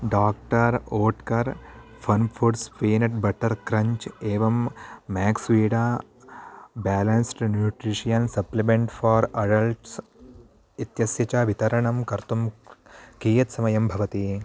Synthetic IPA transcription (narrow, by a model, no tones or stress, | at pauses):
ɖaːk̚ʈɐɾoːʈkɐɾfʰɐnpʰuɖspiːnɐʈbɐʈɐɾkɾɐɲt͡ʃeːʋɐmːɛːksʋiːɖaː | baːlɐnsʈnjuːʈɾiʂijɐnsɐplimeɳʈfʰaːɾɐɖɐlʈs | it̪jɐsjɐt͡ʃaːʋit̪ɐɾɐɳɐmkɐɾt̪um | kiːjɐt̪sɐmɐjɐmbʱɐʋɐt̪i